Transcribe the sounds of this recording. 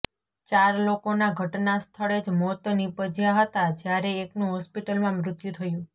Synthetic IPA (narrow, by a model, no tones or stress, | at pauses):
t͡ʃaɾlokonaɡʱəʈnast̪ʰəɭed͡ʒmɔt̪nipəd͡ʒjaɦət̪ad͡ʒjaɾeːknũɦɔspiʈəlmãmɾʊt̪jũt̪ʰəjũ